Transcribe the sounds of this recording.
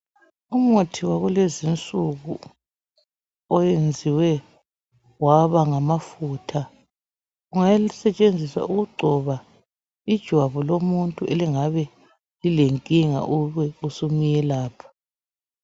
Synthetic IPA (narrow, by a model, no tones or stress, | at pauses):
umotʰiwaɣulezint͡sʼuɣṵ | ɔjend͡zʱiwɛ | waβaŋamafuːtʰa | uŋasɛt͡ʃʼend͡zʱisa̰uɣuɡ͡ǀʱɔβa | id̥ʒ̥ʱwaβɔlomuntʼuʔeliŋaβɛ | lileŋkʼiŋa̰ʔuβɛusumijɛlaːpʰḁ